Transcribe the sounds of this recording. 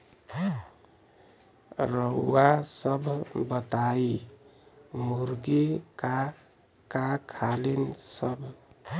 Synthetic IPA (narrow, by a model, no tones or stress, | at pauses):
ɾəwːasəbʱbət̪ai | muɾɡeka | kakʰalinsʌbʱ